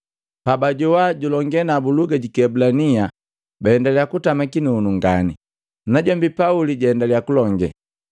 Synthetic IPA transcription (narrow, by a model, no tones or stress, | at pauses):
pabaɟɔwaɟulɔŋɡɛnabuluɡaɟikɛbulania | baɛndaliakutamakinunuŋɡani | naɟɔmbipauliɟaɛndaliakulɔŋɡɛ̰